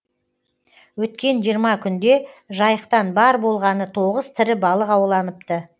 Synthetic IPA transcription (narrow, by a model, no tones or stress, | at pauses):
wɵt̪̚kʲe̞nʒijəɾmɑkʲʰʏnd̪e̞ʒɑjəqt̪ɑnbɑɾbo̞lˠʁɑnət̪ʰo̞ʁəzt̪ʰɪɾɪbɑlˠəqɑwlˠɑnəp̚t̪ə